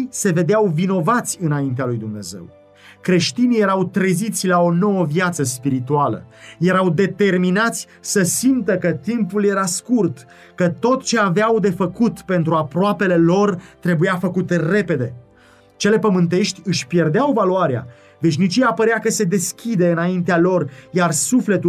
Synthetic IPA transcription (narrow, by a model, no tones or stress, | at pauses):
se̞ve̞d̪eawvino̞vat̪sʲɨnaint̪ealujd̪umne̞̰ze̞̰w | kɾe̞ʃt̪inije̞ɾawt̪ɾezit̪sʲlao̞no̞wəvjat̪səspiɾit̪ualə̰je̞ɾawd̪e̞t̪e̞rminat̪sʲ | səsimt̪əkət̪impulje̞ɾaskurt̪ | kət̪o̞t̪t͡ʃe̞aveawd̪e̞fəkut̪pe̞nt̪ɾuapɾoape̞le̞lo̞rt̪ɾe̞bujafəkut̪ere̞pe̞d̪e̞ | t͡ʃe̞le̞pəmɨnt̪̬e̞ʃt̪ʲɨʃʲpje̞rd̪eawvaluaɾea̰ | ve̞ʃ̬ʲnit͡ʃijapəɾeakəse̞d̪e̞skʲid̪e̞ɨnaint̪̬ealo̞rjarsufle̞t̪u